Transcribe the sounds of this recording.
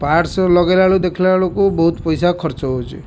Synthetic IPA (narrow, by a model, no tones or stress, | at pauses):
paɾslɔɡalaɭud̪ekʰilaɭukubɔɦut̪pɔjsakʰɔɾt͡ʃɔɦot͡ʃʰḭ